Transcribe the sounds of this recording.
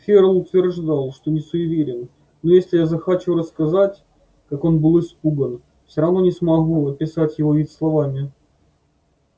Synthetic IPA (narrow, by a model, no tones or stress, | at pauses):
fʲeɾəlˠʊt̪vʲɪrʐd̪alˠʂt̪o̞nʲɪsʊʊvʲeɾʲɪnː | ojesʲlʲɪjazɐxɐt͡ɕuɾəskɐzatʲ | kako̞nbɨlˠɪspuɡən | fsʲoɾɐvno̞nʲɪsmɐɣuɐpʲɪsatʲjɪvoislˠɐvamʲɪ